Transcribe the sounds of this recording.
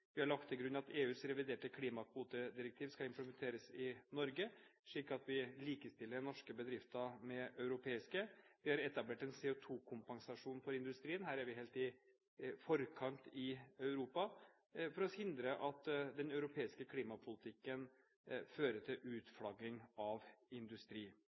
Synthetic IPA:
ʋɪhɑɭɑk̚t̪ʰːɪlɡɾʉnːɑt̪eːʉːsɾɛʋɪd̪eːʈəkʰliːmɑkʰʋuːt̪əd̪ɪɾɛk̚t̪ʰiːʋskɑɪmpləmɛnt̪ʰeːɾəsɪnɔɾɡəʂɭiːkːɑt̪ʋɪliːkəst̪ɪlːəɾnɔʂkəbəd̪ɾɪft̪ɑmɛʔœʉɾʊpʰeːɪskəʋɪhɑɾɛt̪ɑbleːʈɛnsɛːʊt̪ʰuːkʰʊmpɛŋsɑʂuːnfɔɾɪnd̪ʉst̪ɾiːənɦæːɾæɾʋɪɦeːlt̪ɪ | fɔɾkʰɑnt̪ɪœʉɾuːpɑ | fɔɾɔhɪnd̪ɾəʔɑt̪d̪ɛnœʉɾʊpʰeːɪskəkʰliːmɑpʰʊlɪt̪ʰɪkːən | føːɾəʈ̪ʰɪlʔʉːt̪fɽɑɡɪŋɑʋɪnd̪ʉst̪ɾiː

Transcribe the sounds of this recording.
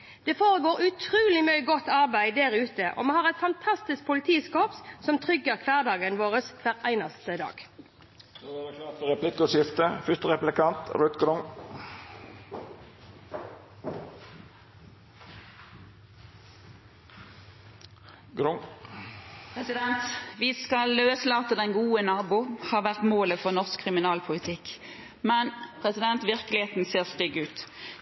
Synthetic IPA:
d̪̥eːfoːʁəɡoːʁʉt̪ʰʁʉːlɪmœʏəɡɔt̪ːɑʁbæɪd̪æʁʉːt̪əʔo̰ːmɛhɑːʁɛt̪fɑnt̪ʰɑst̪ɪsk̚pʰʊlɪt̪ʰiːskoːpsɔmt̪ʰʁʏɡəʁkʰʋæːʁd̪ɑːɡənʋoːʁəskʰʋæːʁæɪnɑst̪əd̪ɑ̰ːɡ̥ | d̪oæɛkʰlɑːt̪ɔʁɛpʰlɪkːʊʃɪft̪əfʏst̪əʁɛplɪkʰɑnt̪ɾʉt̪ɡɾʊŋ | ɡɾʊŋ | pʰʁɛsɪd̪ɛnt̪ʋɪskɑløːslɑːt̪əd̪ɛnɡuːənɑːbʊːhɑːʋæʁt̪moːləfɔʁnɔʁskʰːʁɪmɪnɑːlpʰʊlɪt̪ʰɪkː | mɛnpʰʁɛsɪd̪ɛnt̪ʋɪʁkəlɪheːt̪n̩seːʁst̪ʏɡʉːt̪

